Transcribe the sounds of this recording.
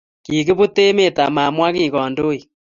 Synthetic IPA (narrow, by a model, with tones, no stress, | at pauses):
ki˨ke˦βu˦te˦me˨ta˨ma˨mwa˦ɣi˦˨ɣɔ˨ndo˦i˨